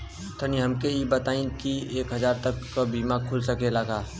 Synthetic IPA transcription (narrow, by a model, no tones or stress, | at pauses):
t̪ʰəniɦɐmkeibət̪aːĩkieːkɦɐzaːɾt̪ɐkːabiːmakʰʊlsəkelaɡaː